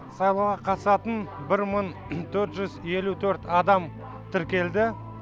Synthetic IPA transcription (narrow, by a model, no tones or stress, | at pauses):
sɑjlˠəwʁɑqʰɑt̪sɑt̪ənbɪɾməɴ | t̪ʰɵɾt̪ʒʏze̞lut̪ʰɵɾt̪ɑd̪ɑm | t̪ʰɪɾkʲe̞ld̪ɪ